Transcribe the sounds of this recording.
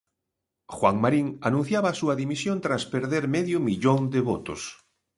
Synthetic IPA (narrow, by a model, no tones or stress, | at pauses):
xwaŋmaɾiŋanũn̟θjaβaːsuaðimisjõnt̪ɾaspeɾðeɾmeðjʊmiʎoŋd̪eβot̪o̰s